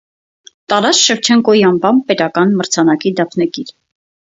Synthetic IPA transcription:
t̪ɑɾɑt͡sʃəɾt͡ʃʰɛŋkɔjiɑmbɑmpɛt̪ɑkɑnməɾt͡sʰɑnɑkid̪ɑpʰnɛkiɾ

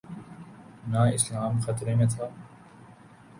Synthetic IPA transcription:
naɪslaːmxɐt̪ɾemẽt̪ʰaː

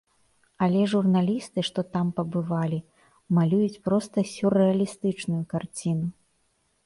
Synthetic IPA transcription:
ɐlʲɛʐurnalʲist̪ɨʂt̪ɔt̪ampɐbɨvalʲi | malʲujut͡sʲpɾɔst̪ɐsʲurɛɐlʲist̪ɨt͡ʂnujukart͡sʲinu

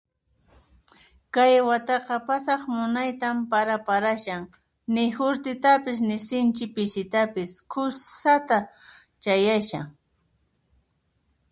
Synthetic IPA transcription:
kajwat̪ɑqɑpasɑχmʊnajt̪ampaɾapaɾaʃaŋ | nɪhʊɾt̪ɪt̪apɪs̬nɪsɪnt͡ʃɪpɪsɪt̪apɪskʰʊssat̪a | t͡ʃajaʃa̰ŋ

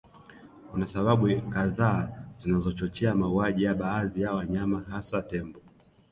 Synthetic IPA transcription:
unasaɓaɓukaðaːzinazɔt͡ʃɔt͡ʃɛamauaʄijaɓaːðijawaɲamaɦasatɛmbɔ

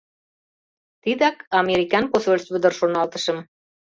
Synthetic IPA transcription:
t̪id̪ækɑmʲeɾikɑnposolʲsβɘ̆d̪ə̆rʃonɑlt̪ɤ̥̆ʃɤ̆m

